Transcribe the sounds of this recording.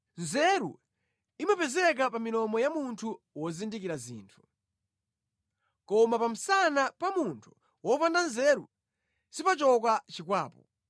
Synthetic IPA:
nzɛɾṵ | imapɛzɛk̬apaminɔmɔjamuntʰu | wɔzindikiɾazḭːntʰu̥ | kɔmapam̩sanapamuntʰu̥ | wɔpandanzɛɾu | sipat͡ʃɔk̬at͡ʃikwaːpɔ

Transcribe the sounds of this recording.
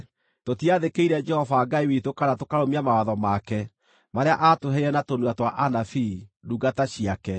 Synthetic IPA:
totiaðekeiɾɛd͡ʒɛhɔvaːɡaiwitokanatokaɾomiamawaðɔmakɛ | maɾea̰ʔatoɦɛiɾɛnatonwatwaʔanafiduɡataɕiakɛ

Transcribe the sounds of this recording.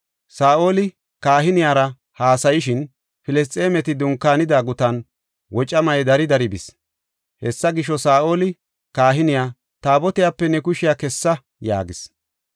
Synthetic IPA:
saːʔo̞ːlɪ | kaːɦɪnɪjaːɾɐ | haːsɐjɪʃɪn | fɪlɛs̬t̪ʼːeːmɛt̪ɪd̪ʊŋkːaːnɪd̪aːɡʊt̪ɐn | wɔt͡ʃʼːɐmɐjɛd̪ɐɾɪd̪ɐɾɪbɪ̰s | hɛsːɐɡɪʃɔsaːʔo̞ːlɪ | kaːɦɪnɪjaː | t̪aːbɔt̪ɪjaːpːɛnɛkʊʃɪjaːkɛsːɐ | ja̰ːɡɪs

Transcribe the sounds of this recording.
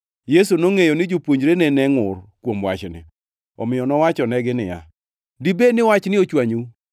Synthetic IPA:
jesunoŋejonɪd͡ʒopwoɲd͡ʒɾenenɛŋʊrkwomwa̰t͡ʃnɪ̰ | ɔ̰mɪjɔnɔwat͡ʃɔnɛɡɪnɪja̰ | dibenɪwat͡ʃnɪot͡ʃwaɲu

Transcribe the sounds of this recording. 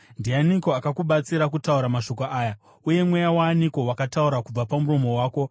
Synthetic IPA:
ndijaniko̞akakuɓat͡siɾakutauɾamaʃo̞koʔaːja | uje̞mwejawaːniko̞wakatauɾakub͡vapamuɾo̞mo̞waːko̞

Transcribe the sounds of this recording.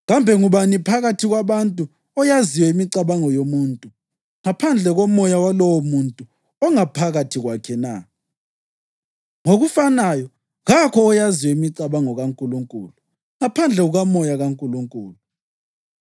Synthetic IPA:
ɣambʱɛŋuβanipʰaɣatʰiɣwaβantʼu | ɔjaziwɛimiǀaβaŋɔjomuntʼu | ŋapʰand͡ɮʱɛɣɔmɔjawalɔwɔmuntʼu | ɔŋapʰaɣatʰiɣwakʰɛna̰ | ŋoɣufanajɔ | ɣakʰɔːjaziwɛimiǀaβaŋɔɣaŋkʼuluŋkʼṵːlu | ŋapʰand͡ɮʱɛɣuɣamɔjaɣaŋkʼuluŋkʼuːlu

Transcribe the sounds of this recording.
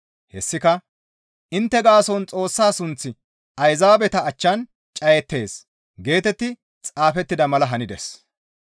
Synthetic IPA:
hɛsːɪkɐ | ʔɪnt̪ːɛɡaːsɔnt͡sʼo̞ːsːaːsʊnt͡sːɪ | ɐjzaːbɛt̪ɐːt͡ʃːɐn | t͡ʃʼɐjɛt̪ːe̞ːs | ɡe̞ːt̪ɛt̪ːɪ | t͡sʼaːfɛt̪ːɪd̪ɐmɐlɐɦɐnɪd̪ɛs

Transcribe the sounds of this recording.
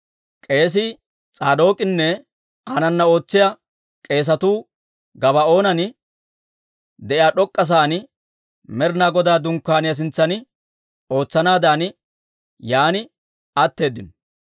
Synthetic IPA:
kʼe̞ːs̬ɪ | t͡sʼaːd̪o̞ːkʼɪnːɛ | aːnɐnːɐo̞ːt͡sːɪjɐ | kʼe̞ːs̬ɐt̪uː | ɡɐbɐo̞ːnɐnɪ | d̪ɛʔɪjaːɗɔkʼːɐs̬aːn | mɛɾnaːɡɔd̪aːd̪ʊŋkːaːnɪjɐs̬ɪnt͡sːɐnɪ | o̞ːt͡sːɐnaːd̪aːn | jaːnɪ | ɐt̪ːe̞ːd̪ːɪnɔ

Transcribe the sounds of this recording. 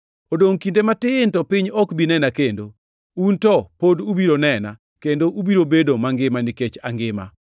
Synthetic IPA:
odoŋkindematɪntɔpɪɲɔkbinɛnakendo | untɔpodubiɾonɛna̰ | kendoʔubiɾobedomaŋɡɪmaniket͡ʃaŋɡɪma̰

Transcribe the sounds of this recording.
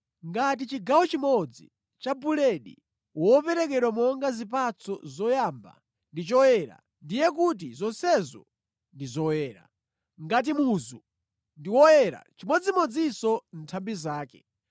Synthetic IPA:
ŋɡat̬it͡ʃiɡawɔt͡ʃimɔd͡zḭ | t͡ʃabulɛɗḭ | wɔpɛɾɛk̬ɛɗwamɔŋɡazipat͡sʰɔzɔjamba̰ | ndit͡ʃɔjɛɾa̰ | ndijɛkut̬izɔnsɛzɔ̰ | ndizɔwɛːɾa̰ | ŋɡat̬imuzu | ndiwɔjɛɾa̰t͡ʃimɔd͡zimɔd͡zisɔn̩tʰambizaːkɛ̰

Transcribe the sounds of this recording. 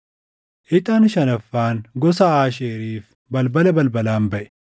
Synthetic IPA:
ʔɪt̪ʼɐnʃɐnɐfːaːnɡɔsɐaːʃeːɾiːf | bɐlbɐlɐbɐlbɐlaːmbɐʔɛ̥

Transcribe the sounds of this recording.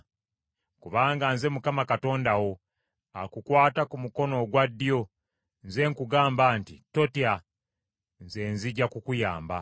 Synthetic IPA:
kuβaːŋɡanze̞mukamakato̞ːndawo̞ | akukwaːtakumuko̞no̞ɡwadːijo̞ | nze̞ːŋkuɡaːmbaːntito̞tia | nze̞nziɟakukujaːmba

